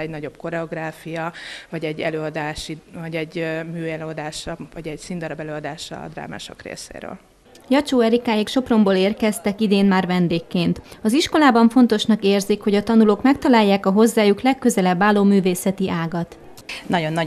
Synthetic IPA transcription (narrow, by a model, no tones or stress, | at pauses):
ɛɟnɒɟo̞bko̞ɾɛo̞ɡraːfijɒvɒɟɛɟːɛløːɒd̪aːʃivɒɟɛɟmyːɛløːɒd̪aːʃɒvɒɟɛɟsind̪ɒɾɒbɛløːɒd̪aːʃɒ̰d̪ra̰ːma̰ːʃo̞̰krḛːsḛːɾø̰ːl | jɒt͡ʃoːɛɾikaːjikʃo̞pro̞mboːleːrkɛst̪ɛkid̪eːnmaːrvɛnd̪eːkːeːnt̪ɒziʃko̞laːbɒɱfo̞nt̪o̞ʃnɒkeːrzikho̞ɟɒt̪ɒnuloːkmɛk̚t̪ɒlaːjːaːkɒɦo̞zːaːjuklɛkːø̞zɛlɛbːaːloːmyːveːsɛt̪iʔaːɡɒt̪ | nɒɟo̞nːɒ